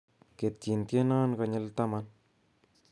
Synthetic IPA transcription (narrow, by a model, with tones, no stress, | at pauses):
ke˨t̚t͡ʃi˨ntje˦naː˦nkɔɲɪ˦lta˦man